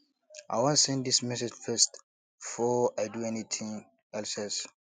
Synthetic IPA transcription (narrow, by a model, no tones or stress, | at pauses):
ʔa̰ɪwɔ̃nsɛ̃nddismɛsɛd͡ʒfɛst | fɔajduɛnit̪ʰĩŋ | ɛlsɛls